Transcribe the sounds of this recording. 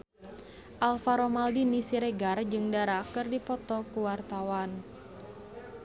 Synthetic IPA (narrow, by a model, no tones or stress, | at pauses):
ʔalfaɾomaldinisiɾeɡard͡ʒɨŋdaɾakɨrdipɔt̪ɔkuwart̪awan